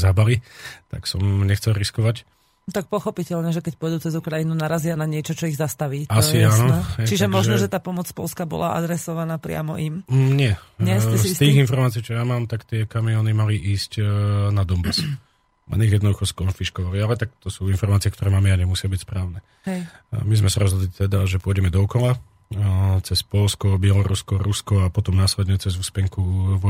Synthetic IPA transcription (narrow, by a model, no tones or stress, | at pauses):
zabalit̪a̰ksɔmɲɛxt͡sɛlɾiskɔʋac | t̪ak̚pɔxɔpicɛʎɲɛʒɛkɛc̚pɔɔjd̪uːt͡sɛzukɾajinunaɾazɪanaɲɪɛt͡ʃɔt͡ʃɔiɣzast̪aʋiːtaɔsianɔhɛt͡ʃiʒɛmɔʒnɔʒɛt̪aːpɔmɔt͡spɔlskabɔ̰la̰ʔa̰d̪ɾɛsɔʋanaːpɾɪa̰mɔ̰ʔimɲɪɛɪɛsɛst̪iːɣinfɔɾmaːt͡siːkt͡ʃɔjamaːmt̪akt̪ɪɛkamiɔːnimaliʔiːscnad̪ɔmbas | ʔa̰niɣjɛd̪ɔd̪uxɔskɔnfiʃkɔʋalialɛt̪akt̪ɔsuːinfɔɾmaːt͡siɛkt̪ɔɾɛːmaːmɛjaɲɛmusɪabicspɾaːʊnɛ | mizmɛsaɾɔzɦɔd̪lit̪ɛd̪aʒɛpʊɔɟɛmɛd̪ɔɔkɔla | t͡sɛspɔlskɔbɪɛlɔɾṵskɔɾuskɔapɔt̪ɔmnaːslɛd̪ɲɛt͡sɛzuːspɛŋkuʋ